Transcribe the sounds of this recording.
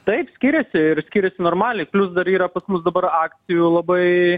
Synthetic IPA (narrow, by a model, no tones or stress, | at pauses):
t̪ɐɪpsʲkʲiːɾʲɛsʲɪɪɾsʲkʲiːɾʲɛsʲɪnoːɾmɑːlʲɛɪklʲʊsd̪ɐɾiːɾɐpɐsmʊsd̪ɐbɐɾɑːkt̪sʲɪjuːlˠɐbɐɪ